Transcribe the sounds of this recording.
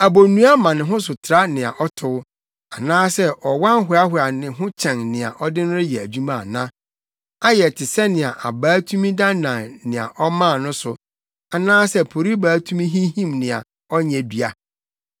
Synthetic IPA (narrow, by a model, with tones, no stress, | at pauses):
a˨bo˨nũ˦a˦mã˨nɪ̃˨ɦʊ̃˦sʊ˨tʰɪ˨ɾa˦nɪ̃˨a̰˨ʔɔ˦tʰʊ˦ | a˨nãː˦sɛ˦ʔɔ˨wã˦ŋ˦ɦʊ˨˦a˦hʊ˨a˨nɪ̃˨ɦʊ̃˦t͡ɕʰɛ̃˨ŋnɪ̃˨a̰˨ʔɔ˦dɪ̃˦nʊ̃˦ɾɪ˦jɛ˨æ˨d͡ʑu˦mã˦˨a̰˨nã˦ | a˦jɛ˨tʰɪ˨sɛ˦nɪ̃˨a˨ʔa˨baː˨˦tʰu˦mĩ˦da˦nã˨ŋnɪ̃˨a̰˨ʔɔ˦mã˦˨nʊ̃˦sʊ˨ | a˨nãː˦sɛ˦pʰo˨ɾi˦baː˨˦tʰũ˦mĩ˦ɦĩ˦hĩ˦mnɪ̃˨a̰˨ | ɔ˦ɲɛ̃˨bi˨a˨